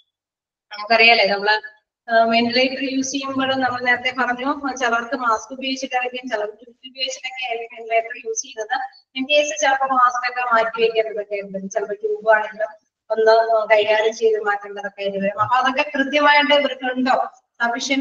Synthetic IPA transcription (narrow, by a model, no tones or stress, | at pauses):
kɐrijaːlːenɐmːɐɭɨ | menɖileːʈːɐrjuːsijːumbo̞ːɭunɐmːɐɭɨneːɾɐt̪ːe̞pɐrɐɲːut͡ɕɐlɐrkːɨmaːskubɐjoːit͡ɕːiʈːɐreŋkʲijumt͡ɕɐlɐpɐʈʲːukːubjoːɡit͡ɕːiʈːekːeimenɖileːʈːɐrjuːsikːunːɐðɨ | eneːsɨt͡ɕelɐpːɐmaːskokːemaːkʲːiʋekʲːenːɐðokːeɨt͡ɕɐlɐpːɐʈːuːbaːɳenɖu | onːɨkɐjjaːɽumt͡ɕe̞jðumaːkʲːeɳːɐðɐkːɐjɾiʋɐɾumɐpːoːɐðo̞kːe̞krɨt̪jɐmaːjiʈɖɨkɾikːɐɭuɳɖo̞ː | aʋiʂɐjɐ